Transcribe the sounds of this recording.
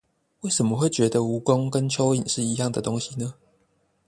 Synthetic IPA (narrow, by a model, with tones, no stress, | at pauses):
we˥˨ɪʂə˨˩nmə˨xwe˥˨ɪt͡ɕɥɛ˨˥d̪ə˧u˨˦ko˦ŋkə˦nt͡ɕʰjo˥˦ʊi˨˩nʂɻ̩˥˩i˧˦jɑ˥˨ŋd̪ə˩t̪o˦˥ŋɕi˨nə˦